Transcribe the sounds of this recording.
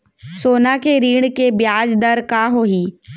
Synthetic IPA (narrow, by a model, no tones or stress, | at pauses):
soːnakeɾiːɽ̃kebjaːd͡ʒd̪əɾkaɦoːɦiː